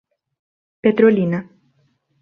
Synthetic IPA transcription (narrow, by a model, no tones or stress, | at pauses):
pet̪ɾolina